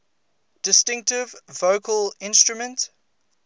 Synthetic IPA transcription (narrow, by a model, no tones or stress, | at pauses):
d̥ɪstɪ̃ŋk̚tɪvːoʊkʰəlɪ̃nstɹumə̃nt